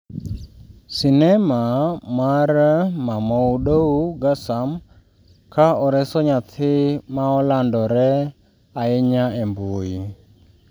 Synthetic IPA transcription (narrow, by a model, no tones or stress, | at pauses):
sinɛmamaɾmamɔuɗouɡasam | kʰaɔɾɛsɔɲatʰɪmaɔlandɔɾɛ | aɪɲaɛmbʊɪ